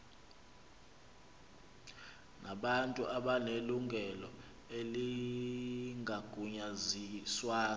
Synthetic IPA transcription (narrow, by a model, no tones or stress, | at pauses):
naɓantʼuʔaɓaneluŋɡʱɛlɔ | eli | ŋʱaɡ̥ʱuɲaziswaː